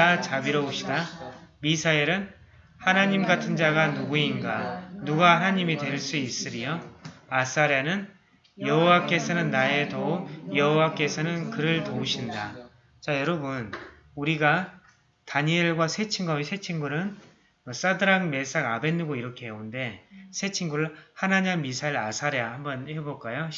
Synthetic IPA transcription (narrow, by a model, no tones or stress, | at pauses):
at͡ɕabiɾʌoɕ͈ʰidamisʰaeɾɯn | hanaɲimɡatʰɯnd͡ʑaɡanuɡuinɡanuɡahanaɲimidwe̞ɭs͈uis͈ɯɾijʌas͈aɾjanɯn | jʌɦowak͈e̞sʰʌnɯnːae̞toujʌɦowak͈e̞sʰʌnɯnkɯɾɯɭtouɕʰinda | t͡ɕajʌɾʌbun | uɾiɡa | taɲieɭɡwasʰe̞t͡ɕʰiŋɡaisʰe̞t͡ɕʰiŋɡuɾɯn | ʌs͈adɯɾaŋme̞s͈aɡabe̞nːuɡoiɾʌkʰe̞ɦeunde̞sʰe̞t͡ɕʰiŋɡuɾɯɭhanaɲanmisʰaiɾasʰaɾeahambʌnhe̞boɭk͈ajo